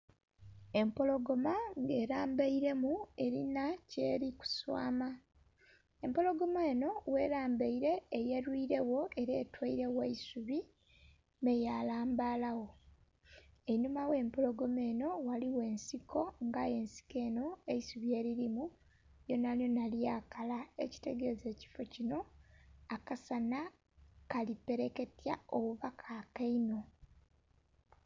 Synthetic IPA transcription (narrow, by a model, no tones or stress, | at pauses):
e̞mpo̞lo̞ɡo̞maŋɡe̞ːɾaːmbaiɾe̞mue̞ɾinace̞̰ːɾiku̥swa̰ːma | e̞mpo̞lo̞ɡo̞maeno̞we̞ːɾaːmbeiɾe̞ːje̞ɾwiɾe̞wo̞ʔe̞ɾeːtwaiɾe̞weisuβi | mejalaːmbaːlawo̞ | enumawe̞ːmpolo̞ɡo̞me̞ːno̞waliwe̞ːnsikʰo̞ŋɡaje̞ːnsi̥ke̞ːno̞e̞isuβje̞ːɾiɾimu | jo̞naljo̞naljaːkalaḛci̥te̞ɡe̞ze̞ːci̥fo̞cino̞akasana | kalipe̞ɾeke̞tjaoβuβakʰakaino̞